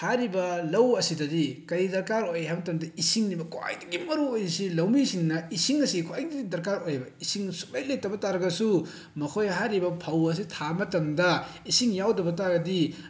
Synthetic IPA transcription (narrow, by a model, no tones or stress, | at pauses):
haɾibɐlɐwɐsidɐdikɐjdɐɾkaɾojɦajmɐtɐmdɐisiŋnibɐkwa̰jdɐɡimɐɾuojsilɐwmisiŋnɐisiŋɐsikwajdiɡidɐɾkaɾojɐbɐisiŋsu̥p̚lɐjletːɐbɐtaɾɐɡɐsu | mɐkʰojɦaɾibɐpʰɐwɐs̬itʰamɐtɐmdɐisiŋjawdɐbɐtaɡɐdi